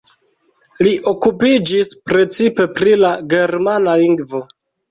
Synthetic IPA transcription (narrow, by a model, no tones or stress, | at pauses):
liʔo̞kupid͡ʒispɾe̞t͡sipe̞pɾilaɡe̞ɾmanaliŋɡvo̞